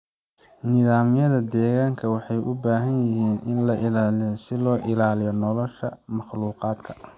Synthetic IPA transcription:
nɪðaːmɪjɐðɐd̪ɛːɣaːŋkʰɐwɑħɑjʔʊbaːɦɐnjɪhiːnʔɪ̰nlɐʔɪlaːlɪjɔsɪlɔːʔɪlaːlɪjɔnɔlɔʃɐmɑχluːqɑːd̪kʰɐ̥

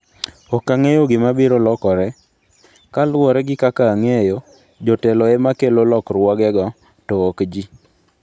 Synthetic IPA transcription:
ɔkaŋejoɡɪmabiɾolɔkɔɾɛ | kalwɔɾɛɡɪkakaːŋejo | d͡ʒɔtɛloemakelolɔkɾwɔɡɛɡɔ | tɔokd͡ʒi

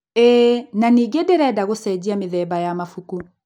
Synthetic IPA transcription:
ɛnaniɡedeɾɛdaɣosɛd͡ʑiameðɛbajamafuku

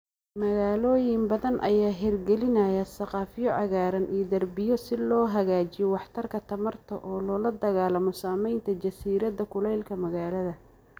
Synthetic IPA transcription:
mɐɣaːlɔːjɪmbɐðɐnʔɐ̰jaːɦɛrɡɛlɪnɐjasɐqɑːfɪjɔʕɑɣaːɾɐnʔiːd̪ɐrbɪjɔsɪlɔːɦɐɣaːt͡ʃɪjɔwɑħt̪ʰɐrkʰɐt̪ʰɐmɐrt̪ʰɔʔɔːlɔːlɐd̪ɐɣaːlɐmɔsaːmɛjnt̪ʰɐt͡ʃɐsiːɾɐðɐkʰʊlɛjlkʰɐmɐɣaːlɐðɐ

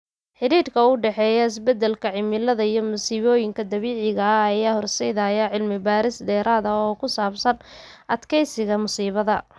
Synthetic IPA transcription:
ħɪɾiːrkʰɐʊɖɛħɛːjɐɪs̬bɛd̪ɛlkʰɐʕɪmɪlɐðɐijɞmʊsiːβɔːjɪŋkʰɐd̪ɐβiːʕɪɣɐːjaːhɔrsɛjðajɐʕɪlmɪbaːɾɪsd̪ɛːɾaːðɐɔːkʰʊsaːbsɐnʔɐd̪kʰɛjsɪɣɐmʊsiːβɐðɐ

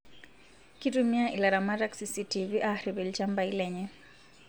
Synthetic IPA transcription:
kitumiaʔilaɾamaɾaksisitiviʔaɾibɛlt͡ʃambailɛɲɛ

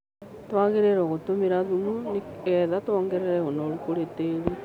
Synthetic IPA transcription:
twaɣeɾeɾɔɣotomiɾaðumuniɛðatwɔːŋɡɛɾɛɾɛɣonɔɾukoɾeteɾi

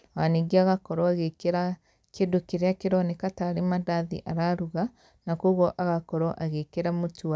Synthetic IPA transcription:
waniɡiaɣakɔɾɔaɣekeɾa | kedokeɾeakeɾɔnekataɾemadaðḭʔa̰ɾaɾuɣa | nakoɣɔʔaɣakɔɾɔʔaɣekeɾamotua

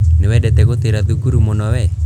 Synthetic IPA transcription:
newɛdɛt̪ɛkot̪iɾat̪ukuɾumonɔwɛ

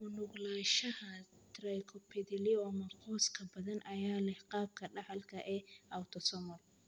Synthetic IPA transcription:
mʊnʊɡlaːʃɐhɐt̪ʰɾajkʰɔpʰɛðɪlɪɔmɐqʰɔːskʰɐbɐðɐnʔɐjaːlɛhqɑːb̚kʰɐɖɐħɐlkʰɐʔɛawt̪ʰɔsɔmɔl

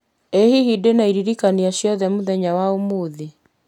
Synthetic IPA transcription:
ehihidenaiɾiɾikaniaɕjɔðɛmoðɛɲawaomoːði

